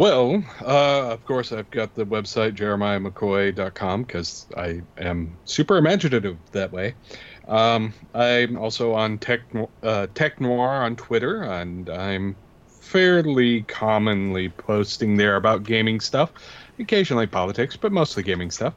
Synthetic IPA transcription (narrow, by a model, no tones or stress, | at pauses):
wɛlˠʌʌv̥kʰɔɹsaɪvɡɑt̪̚ðɨwɛb̥saɪt̚d̥ʒ̥ɛɹɨmaɪɨməkʰɔɪdɑt̚kʰɑ̃mkʰʌza̰ɪɨ̃msʉpə˞ɨmæd͡ʒɨɾɨɾɨvðɨʔ̚weɪʔʌ̃maɪ̃mɔ̰lˠsoʊə̃ntʰɛk̚nʌtʰɛk̚nwɑɹə̃ntʰw̥ɪɾə˞ɨ̃nãɪ̃m | fɛɹlikʰɑmɨ̃nlipʰoʊstɪ̃ŋðə˞ɨbaʊt̚ɡ̥ẽɪ̃mɪ̃ŋstʌfɨkʰeɪʒn̩l̩ˠipʰɑlˠətʰɪksb̥ʌt̚moʊstˡliɡẽɪ̃mɪ̃ŋstʌf